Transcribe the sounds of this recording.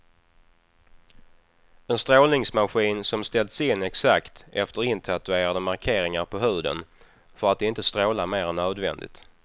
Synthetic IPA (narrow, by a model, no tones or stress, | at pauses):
ɛnst̪ɾoːlnɪŋsmaɧiːnsɔmst̪ɛlt̪sɪnːɛksakt̪ɛft̪əɾɪnt̪ʰat̪ɵeːɾad̪əmaɾkʰeːɾɪŋaɾpʰɔɦʉ̟ːd̪ə̰n | fœɾat̪̚d̪ɛɪnt̪əst̪ɾoːlameːɾɛnːøːd̪vɛ̰nd̪ɪ̰t̪